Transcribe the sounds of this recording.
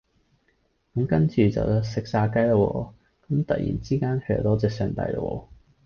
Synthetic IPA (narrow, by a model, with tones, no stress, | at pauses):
kɐ˨˧˥mkɐ˥nt͡ʃyː˨˩t͡sɐ̰˨wsɪ˨k̚saː˧kɐ˥jlɐ˧wɔː˧ | kɐ˨˦mt̪ɐ̰˨t̚jḭ˨˩nt͡siː˥kaː˥nkʰɵ˧jɐ̰˨˧˩t̪ɔː˥t͡sɛː˨sœː˨˩ŋt̪ɐ̰˧˥jlɐ̰˧˩wɔ̰ː˧˥